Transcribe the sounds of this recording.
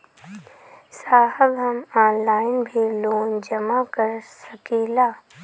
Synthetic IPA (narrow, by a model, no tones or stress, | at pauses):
saːɦəbɦɐmaːnlaːɪnbʱiloːnd͡ʒɐmakəɾsəkiːlaː